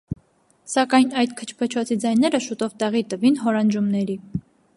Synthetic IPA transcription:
sɑkɑjnɑjd̪kʰə̥t͡ʃʰpʰət͡ʃʰɔt͡sʰid͡zɑjnɛɾəʃut̪ɔvt̪ɛʁit̪əvinɦɔɾɑnd͡ʒumnɛɾi

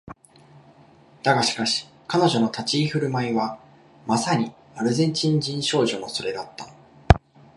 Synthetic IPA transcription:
d̪̥aɡaɕi̥kaɕi̥ | kano̞ʑo̞no̞t̪at͡ɕiːɸɯ̟ɾɯ̟maiβa | masaɲ̟i | aɾɯ̟zẽ̞ɲt͡ɕĩɲ̟d͡ʑĩɰ̃ɕo̞ːʑo̞no̞so̞ɾe̞d̪at̪ːa

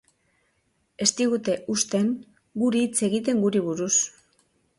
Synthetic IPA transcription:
e̞st̪iɣ̞ut̪e̞ʔust̪e̞ŋ | ɡuɾit͡se̞ɣ̞it̪̬e̞ŋɡuɾiβuɾus

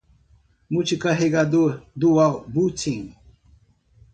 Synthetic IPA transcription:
mut͡ɕikaɦeɡad̪d̪uwaʁbut͡sʰiŋ

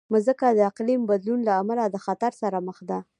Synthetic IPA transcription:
məzəkad̪əɪqlimbad̪lunlaːmalad̪əxat̪aɾsaɾaməxd̪a

